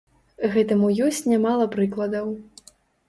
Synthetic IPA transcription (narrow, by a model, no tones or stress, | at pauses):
ɣɛt̪ɐmujɔsʲt͡sʲnʲamalˠɐpɾɨklˠɐd̪ɐw